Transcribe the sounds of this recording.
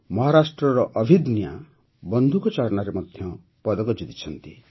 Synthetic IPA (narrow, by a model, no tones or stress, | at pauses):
mɔɦaɾasʈɾɔɾɔʔɔbʱid̪nja̰ | bɔnd̪ʱukɔt͡ʃaɭnaɾemɔd̪ʱjɔ | pɔd̪ɔkɔd͡ʒit̪i̥t͡ʃʰɔnt̪i